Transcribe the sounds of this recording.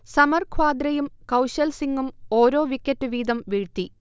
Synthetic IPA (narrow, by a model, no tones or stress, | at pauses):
sɐmɐrkʰwaːd̪rɐjumkɐwɕɐlsiŋɡumoːɾo̞ːʋikʲːɐtːɨʋiːd̪ɐmʋiɻt̪ːi